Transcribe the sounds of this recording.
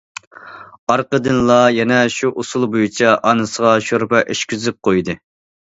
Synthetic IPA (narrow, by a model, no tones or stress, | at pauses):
ɑɾqəd̪ɨnlˠɑjɛnɛʃuʔosulˠbojut͡ʃʰɑʔɑnɨsəʁɑʃoɾpɛʔeʃkʲyzɪp̚qʰojd̪ɨ